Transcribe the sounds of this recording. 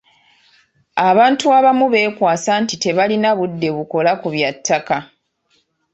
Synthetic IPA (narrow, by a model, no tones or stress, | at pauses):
aβaːntuaβamuβe̞ːkwaːsantite̞βalinaβudːe̞βuko̞lakuβjatːaka